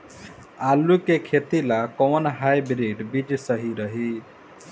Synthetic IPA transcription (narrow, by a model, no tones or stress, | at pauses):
alukekʰet̪ilakɔwnɦajbɾiɖbid͡ʒsəɦiɾəɦi